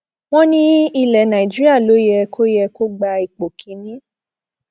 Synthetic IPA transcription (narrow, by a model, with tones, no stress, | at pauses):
w̃ɔ̃˦nĩ˦i˧lɛ˨˦nã˨i˨d͡ʒi˦ɾi˦a˦˨lo˨˦jɛ˧kʰo˦jɛ˧ko˦ɡ͡ba˧i˨k͡po˨kʰĩ˨˦nĩ˦